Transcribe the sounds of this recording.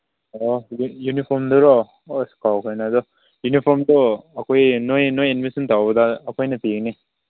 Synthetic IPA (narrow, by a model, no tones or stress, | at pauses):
ɔjjunipʰɔɾmd̪ɔɾɔ | oskawkʰajnaːd̪ɔ | junipʰɔɾmd̪ɔːkʰojnojnojinbisint̪awbɐdaːkʰojnɐpikne